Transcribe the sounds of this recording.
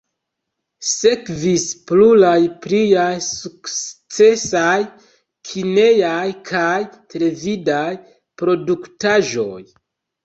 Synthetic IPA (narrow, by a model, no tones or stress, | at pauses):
se̞kvisplulajplijajsukt͡se̞saj | kʰine̞jajkʰajtʰele̞vidaj | pɾo̞duktaʒo̞̰j